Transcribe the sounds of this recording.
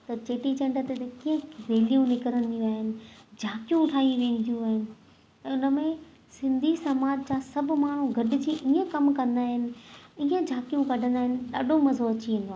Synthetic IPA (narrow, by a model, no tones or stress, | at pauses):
t̪ɐt͡ɕeːʈit͡ɕɐ̃ɳɖət̪et̪ekiːə̃ɾeːlijũnɪkəɾənɪ̆d̪ijũaːɦɪnɪ̆d͡ʑʱaːkijũʊʈʰaːɦijũʋẽːn̆d̪ijũaːɦɪnɪ̆ | ɛ̃ːʊnə̆mẽ | sɪ̃nd̪ʱisɐmaːd͡ʑt͡ɕãsɐb̆maːɳ̤ũɡʱɐɖʱɪ̆d͡ʑiːʔiːə̃kɐmkɐ̃nd̪aːɦɪnɪ̆iːə̃d͡ʑʱaːkijũkɐɖʱə̃nd̪aːɦɪnɪ̆ɗaːɖʱomɐzoɐt͡ɕiẽːn̆d̪oaː